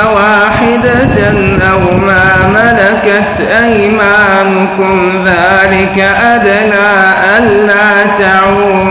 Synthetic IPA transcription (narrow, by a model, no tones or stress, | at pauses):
waːħɪd̪a | anʔawmaː | malakat̪ʔaj | maː | nʊkʊm | ðaːlɪkaʔad̪anaːʔanːaːt̪aʕuːm